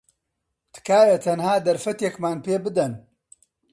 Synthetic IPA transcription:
t̪ʰɨ̥kaːjɐt̪ʰɐnhaːd̪ɐɾfɐt̪jekmaːnpeːbɨd̪ɐn

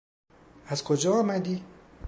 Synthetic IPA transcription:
azkʰod͡ʒɑːmad̪i

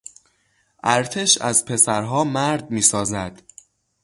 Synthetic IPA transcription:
ʔæɾt̪ʰe̞ʃæ̰zpʰe̞sæɾɦɒːmæɾd̪miːsɒːzæd̪̥

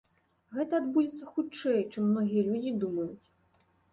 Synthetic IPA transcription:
ɣɛt̪ɐːd̪bud͡zʲɛt̪sːɐxut͡ʂɛjt͡ʂɨmːnɔɣʲijɐlʲud͡zʲid̪umɐjut͡sʲ

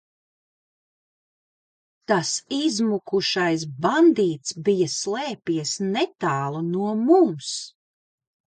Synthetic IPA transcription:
t̪asizmukuʃajs̬band̪iːt̪sbijɐslˠɛːpiɛsnɛt̪aːlˠunuɔmums

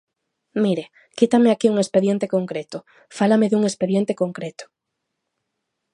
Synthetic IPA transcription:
miɾe | kit̪amɪakiuŋespeðjent̪ekoŋkɾet̪ʊ | falameðuŋespeðjent̪ekoŋkɾet̪ʊ̥

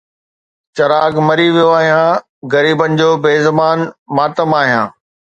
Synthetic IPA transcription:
t͡ɕɐɾaːɡmɐɾiʋijoaːɦijãː | ɣɐɾiːbənɪ̆d͡ʑoːbeːzɐmaːnmaːt̪əmaːɦijãː

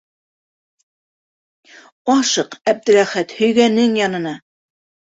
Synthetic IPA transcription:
ɒʃɤqæb̚d̪ɘ̆ɾæχæt̪hɵ̆jɡænːɘŋjɑnɤ̆nɑ

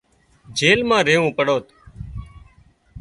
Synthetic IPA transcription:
d͡ʒeːlmãːɾeːũːpəɽoːt̪

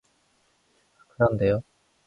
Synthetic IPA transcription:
kɯɾʌnde̞jo

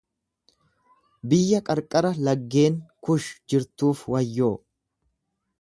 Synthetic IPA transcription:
bɪjːɐkʼɐɾkʼːɐɾɐlɐɡːe̞ːŋkʊʃd͡ʒɪɾt̪uːfwɐjːoː

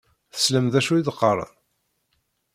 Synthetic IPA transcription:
θə̥sləmðæʃuiðqːəɾˤə̰n

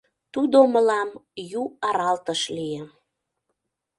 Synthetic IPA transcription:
t̪ud̪oməlɑmjuɑɾɑlt̪əʃlijə

